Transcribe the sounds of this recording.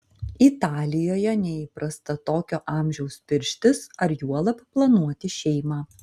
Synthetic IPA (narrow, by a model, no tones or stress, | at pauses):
it̪ɑːlʲɪjoːjɛnʲɛiːpɾɐst̪ɐt̪oːkʲoːʔɑːˑmʲʒʲɛʊspʲɪɾʲʃʲt̪ʲɪsɐɾjuɔlˠɐpplˠɐnuɔt̪ʲɪʃʲɛɪmɑː